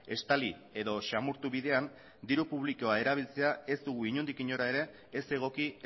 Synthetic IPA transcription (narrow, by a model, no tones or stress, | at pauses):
e̞st̪ali | e̞ðo̞ʃamuɾt̪uβiðe̞an | d̪iɾupuβ̞liko̞ae̞ɾaβ̞ilt͡se̞ae̞zd̪uɣ̞uiɲund̪ikiɲo̞ɾae̞ɾe̞ː | se̞ɣ̞o̞ki